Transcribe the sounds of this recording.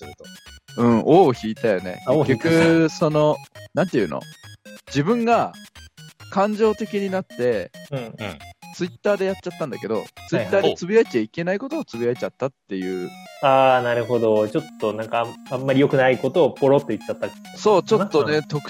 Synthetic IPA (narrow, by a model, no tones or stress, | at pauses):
ɯ̟̃ɴoːoçiːt̪ajone̞̰ɡʲakɯ̟so̞no̞nãnt̪ejɯ̟ːno̰d͡ʑibɯ̟̃ŋɡa | kʰãɲ̟d͡ʑo̞ːt̪e̞kʲiɲ̟inat̪ːe̞ɯ̟̃ɴt͡sɨit̪ːaːd̪e̞jat͡ɕːat̪ːãnd̪ake̞d̪o̞̰t͡sɨit̪ːaːd̪et͡sɨbʲiaet͡ɕaike̞naiko̞t̪oːt͡sɨbʲijaet͡ɕat̪ːat̪ːe̞jɯ̟ːaːnaɾɯ̟ɦo̞d̪o̞t͡ɕo̞t̪ːo̞nãŋkaamːaɾʲijo̞kɯ̟naiko̞t̪oːpo̞ɾot̪ːo̞it͡ɕːat̪ːa | so̞ːt͡ɕo̞t̪ːone̞t̪o̞kɯ̟̥